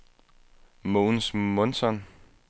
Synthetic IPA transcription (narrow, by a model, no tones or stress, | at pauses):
monsmɔnsɒn